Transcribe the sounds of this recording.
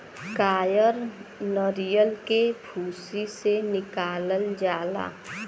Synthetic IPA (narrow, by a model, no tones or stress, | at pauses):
kaːjəɾnəɾijəlkebʱuːsisenɪkaːlənd͡ʒaːla̰ː